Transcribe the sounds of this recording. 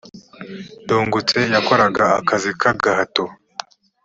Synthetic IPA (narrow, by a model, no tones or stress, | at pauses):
duːŋɡut͡se̞jako̞ɾaɡaa̰kazikʰaɡahato